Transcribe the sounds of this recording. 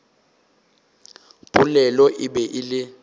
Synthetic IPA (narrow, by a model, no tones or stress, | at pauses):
b̥ʱʼulɛlɔʔɪbɛʔɪlɪ